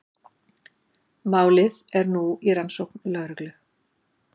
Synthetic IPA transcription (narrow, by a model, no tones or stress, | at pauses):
maːwlɪðɛɾnuiɾansowknlœɣɾʏklʏ